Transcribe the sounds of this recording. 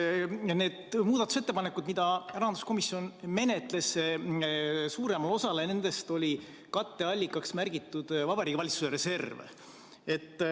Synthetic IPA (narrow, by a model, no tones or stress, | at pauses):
ne̞ːd̪̥muːd̪̥ɑt̪ːu̥se̞t̪ːe̞pɑnekːˑud̪̥mid̪̥ɑæɾɑnd̪u̥sko̞misːio̞nme̞ne̞t̪ˑle̞s | suːɾe̞mɑlo̞sɑlene̞nd̪̥e̞st̪o̞lʲi | kɑt̪ːe̞ɑlʲːikːˑɑksmærɡ̥it̪ˑːud̪̥vɑbɑɾikːvɑlʲit̪su̥seɾe̞se̞rvḛ | e̞t̪ːˑ